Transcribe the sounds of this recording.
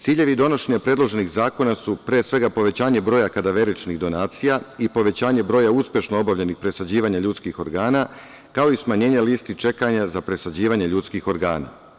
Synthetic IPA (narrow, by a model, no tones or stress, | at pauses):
t̪siːʎe̞ʋid̪o̞no̞ʃe̞ɲapɾedlˠo̞ʒe̞niɣzaːko̞nasupɾeːsʋe̞ɡapo̞ʋe̞t͡ɕaːɲe̞bɾojakad̪aʋe̞ɾit͡ʃniɣd̪o̞naːt̪sijaipo̞ʋe̞t͡ɕaːɲe̞bɾo̞ːjauspʲje̞ʃnoo̞baʋʎenixpɾe̞sad͡ʑiːʋaɲaʎuːt̪skixo̞ɾɡaːna | kao̞ismaɲe̞ːɲeliːst̪it͡ʃe̞kaɲazapɾe̞sad͡ʑiːʋaɲe̞ʎuːt̪skixo̞ɾɡa̰ːna̰